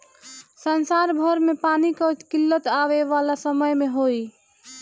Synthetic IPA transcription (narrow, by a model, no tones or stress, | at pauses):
sənsaɾbʱəɾmepanikəkilːət̪aʋeʋalasəməjmeɦoi